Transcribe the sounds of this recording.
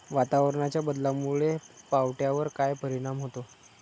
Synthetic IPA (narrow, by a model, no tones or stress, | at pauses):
ʋat̪aʋəɾɳat͡ɕjabəd̪lamuɭepawʈjaʋəɾkajpəɾiɽ̃amɦot̪o